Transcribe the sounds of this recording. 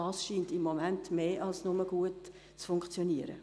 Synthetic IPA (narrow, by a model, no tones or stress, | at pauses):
ɑːsʃiːntɪmːomæntmeːʔɑlsnʊməɡuət | t͡sfʊŋkt͡sjɔniəɾə̰